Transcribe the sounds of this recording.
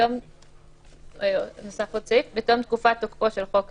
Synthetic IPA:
tom | nosafot͡sifbetomt̪̚kufat̪okoʃelχok

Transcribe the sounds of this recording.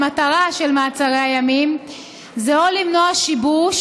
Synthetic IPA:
mataʁaʃelmaːt͡saʁeajamim | zeolimno̞aʃibuʃ

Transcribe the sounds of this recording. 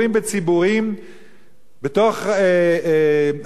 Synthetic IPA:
imbet͡sibuʁim | betoχe

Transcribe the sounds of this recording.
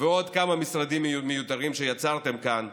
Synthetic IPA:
veo̞d̪kamamisʁad̪imːejut̪aʁimʃe̞jat͡saʁt̪e̞mkan

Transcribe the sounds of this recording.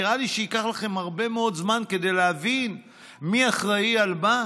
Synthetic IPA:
iʁaliʃeikaχlaχe̞mhaʁbe̞meo̞d̪zmanke̞de̞jleavin | miaχʁaialba

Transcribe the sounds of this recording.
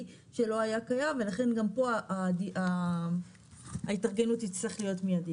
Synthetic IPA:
ʃe̞lo̞ajakajamve̞laχe̞nɡampo̞aʔadia | aitaʁɡe̞nutit͡sliχlijo̞tmijadi

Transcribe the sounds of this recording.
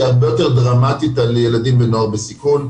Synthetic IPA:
aʁbe̞jo̞te̞ʁd̪ʁamatit̪aljeladimbenoaʁbesikun

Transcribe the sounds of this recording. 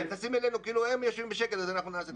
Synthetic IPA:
t̪asimelenukiiːluhemjoʃvimbeʃekelazanaχnunaːse

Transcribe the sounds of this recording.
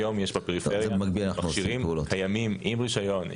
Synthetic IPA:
jo̞mjeʃbapeʁifeʁjɛabemaɡ̚bilanaχanuʃiʁimvuːlohajamimʔimʁiʃajo̞n

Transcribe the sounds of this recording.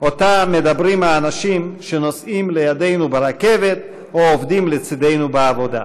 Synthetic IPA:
ʔo̞t̪ame̞d̪abɾimaːnaʃimʃeno̞simlejade̞jnubeɾake̞ve̞t̪ | oovdimlet͡sid̪ejnubeavo̞d̪a̰

